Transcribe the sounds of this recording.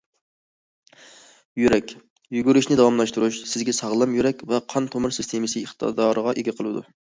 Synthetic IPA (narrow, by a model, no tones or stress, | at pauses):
jyɾɛkʲ | jyɡʲyɾyʃnɪd̪ɑwɑmlˠɑʃt̪uɾuʃsɪzɡʲɛsɑʁlˠɑmjyɾɛkʲvɛqʰɑnt̪ʰomɨɾsɪst̪ʰemɨsɨiχt̪ʰɑ̰d̪ɑːɾəʁɑʔeɡʲɛqʰəlˠɨd̪ṵ